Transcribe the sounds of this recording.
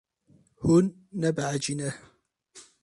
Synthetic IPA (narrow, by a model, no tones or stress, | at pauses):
hʊnː | abʕad͡ʒinah